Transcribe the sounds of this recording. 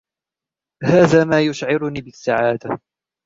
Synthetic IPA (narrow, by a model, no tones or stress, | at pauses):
haːðaːmaːjʊʃʕɑɾʊniːbɪsːaʕaːd̪a